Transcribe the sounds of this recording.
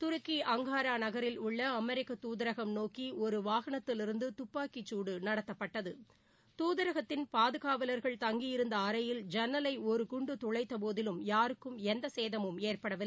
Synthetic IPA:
t̪ʊɾɯkːiʔɐŋɡaːɾaːnɐɣɐɾɪlʊɭːɐːmɛɾɪkːɐt̪uːðɐɪɾɐɣɐmnoːkiɔɾɯʋaːɣɐɳɐt̪ːɪlɪɾɯnd̪ɯt̪ʊpːaːkɪt͡ʃːuːɽɯnɐɽɐt̪ːɐpːɐʈːɐðɯ | t̪uːðɐɾɐɣɐt̪ːɪnpaːðɯɣaːʋɐlɐɾɣɐɭt̪ɐŋɡijɪɾɯnd̪ɐːɾɐjɪld͡ʒɛnːɐlɐɪɔɾɯkʊɳɖɯt̪ʊɭɐɪt̪ːɐpoːðɪlɯmjaːɾɯkːɯmɛnd̪ɐseːðɐmɯmeːrpɐɽɐʋɪ

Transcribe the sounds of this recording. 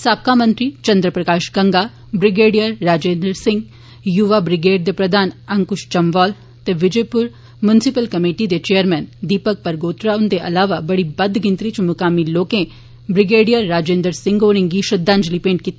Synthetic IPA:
saːp̚kaːmə̃nt̪ɾiːt͡ʃɐ̃nd̪ɾəpɾɐkaːʃɡə̃ŋɡaː | bɾɪɡeːɖijəɾːaːd͡ʒeːnd̪əɾsɪ̃ŋɡ | juʋabɾɪɡeːɖd̪eːpɾəd̪aːnɐŋkʊʃt͡ʃɐmʋɔːl | t̪eʋɪd͡ʒepʊɾ | mjʊnɪsɪpəlkɐmeːʈid̪et͡ʃeːəɾmɛːnd̪iːpək̚pəɾɡoːt̪ɾaʊnd̪eʔɐlaːʋabɐɽibɐd̪ɡɪnt̪ɾit͡ʃmʊkaːmiloːkẽ | bɾɪɡeːɖijəɾːaːd͡ʒẽːnd̪əɾsɪ̃ŋɡoːɽɪ̃ŋɡiʃɐd̪ːãːɲd͡ʒliːpẽːɳʈ̚kit̪

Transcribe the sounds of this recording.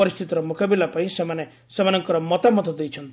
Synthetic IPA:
ɔɾist̪ʰit̪ɔɾɔmukabilapaĩsemane | semanɔŋkɔɾɔmɔt̪amɔt̪ɔd̪ejt͡ʃʰɔnt̪ii

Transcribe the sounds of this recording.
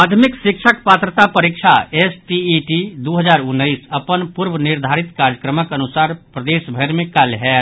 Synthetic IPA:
aːt̪ʰmɪksɪkʃʰək̚paːt̪ɾət̪apəɾikʃʰaesʈiiʈid̪oɦəd͡ʒaːɾʊnːəɪsəpənpuɾbənɪɾd̪ʱaːɾɪt̪kaɾjəkɾəməkənʊsaːɾpɾəd̪eːʃbʱəɾmẽkalɦɛ

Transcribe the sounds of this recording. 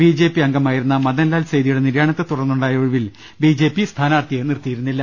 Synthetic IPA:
biːd͡ʑe̞ːpːiɐŋɡɐmaːjiɾunːɐmɐðɐlːaːlsejðijuɽe̞niɾjaːɳɐt̪ːet̪urɐnːuɳɖaːjoːɻuʋil | biːd͡ʑe̞ːpːist̪ʰaːnaːrt̪ijenirt̪ːijiɾunːilːɐ

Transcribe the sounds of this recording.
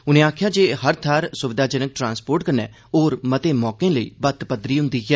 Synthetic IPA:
ʊnẽːaːkʰjaːd͡ʒeːɦəɾt̪ʰaːɾsʊʋɪd̪aːd͡ʒənək̚ʈɾãːnspoːɾʈkəɾnɛ̰ː | oːɾmət̪eːmɔːkẽːləḭːbət̪pəd̪ɾiːɦʊ̃nd̪iːɡɛː

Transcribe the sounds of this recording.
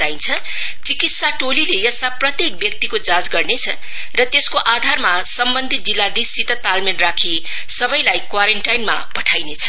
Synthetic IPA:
d̪aĩnt͡sʰʌ | t͡sikit̪saʈolilejʌst̪aprʌt̪jek̚bjʌk̚t̪ikod͡zãd͡zɡʌrnet͡sʰʌ | rʌt̪eskoʔad̪ʱarmasʌmbʌnd̪ʱit̪̚d͡zilːad̪isit̪ʌt̪almenrakʰi | sʌbʌjlajkwaɾeɳʈajnma̰pʌʈʰajnet͡sʰʌ̥

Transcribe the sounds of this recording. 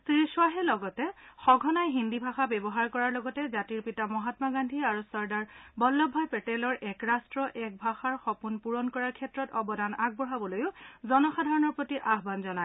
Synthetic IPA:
siiswaɦɛlɔɡɔtɛxɔɡʱɔnajɦindibʱaxabɛbɔɦaɹkɔɹaɹlɔɡɔtɛzatiɹpitamɔɦatmaɡandʱiaɹusɔɹdaɹbɔlːɔbʱːɔjpɛtɛlɔɹʔɛkɹastɹɔʔɛk̚bʱaxaɹxɔpunpuɹɔnkɔɹaɹkʰɛtɹɔtɔbɔdanaɡ̚bɔɦabɔlojʊzɔnɔxadʱaɹɔnɔɹpotiʔaɦbanzɔnaj

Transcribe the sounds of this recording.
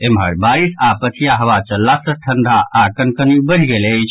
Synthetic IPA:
emɦə̰ɽbaɾisapət͡ʃʰijaɦəʋat͡ʃəlːasəʈʰənd̪ʱaːkənkənjubəɽ̤iɡeləjt͡ʃʰ

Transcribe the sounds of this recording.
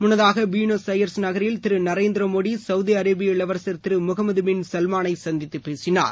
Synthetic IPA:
mʊnːɐðaːɣɐʋiːɳoːsɐjɐɾsnɐɣɐɾjɪlt̪ɪɾɯnɐɾeːnd̪ɪɾɐmoːɽisɐʋðiɐɾɐːbɪjɐɪɭɐʋɐɾsɐɾt̪ɪɾɯmʊɣɐmɐðɯmɪnsɐlmaːnɐɪsɐnd̪ɪt̪ːɯpːeːsɪna̰ːɾ

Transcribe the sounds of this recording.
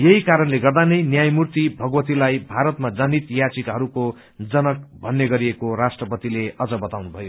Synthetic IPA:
jeɦikaɾʌnleɡʌrd̪anʌjnjajmurt̪ibʱʌɡʌwʌt̪ilajbʱaɾʌt̪mad͡zanit̪jat͡sikɦʌɾuko | d͡zʌnʌkbʱʌnːeɡʌɾiekorasʈrʌpʌt̪ileʌd͡zʌbʌt̪awnubʱʌjo

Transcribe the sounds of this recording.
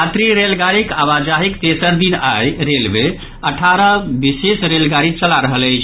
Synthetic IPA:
at̪ɾiɾelɡaɾikaʋad͡ʒaɦikt̪esəɾd̪inajɾelbe | əʈʰaɾəbisesɾelɡaɾit͡ʃəlaɾəɦələɪt͡ʃʰ

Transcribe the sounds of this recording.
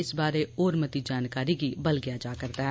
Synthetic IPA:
ɪsbaːɾeoːɾmɐt̪id͡ʒaːnkaːɾikibɐlɡɪjad͡ʒaːkɐɾt̪aɦɛ

